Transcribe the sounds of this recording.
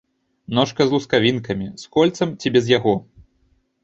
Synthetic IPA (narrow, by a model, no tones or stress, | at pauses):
nɔʂkɐzlˠuskavʲinkɐmʲiskɔlʲt̪sɐmt͡sʲibʲɛzjaɣɔ